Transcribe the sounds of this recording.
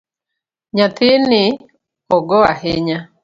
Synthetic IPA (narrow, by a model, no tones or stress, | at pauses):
ɲat̪ʰɪnɪ | ɔɡɔaɦeɲa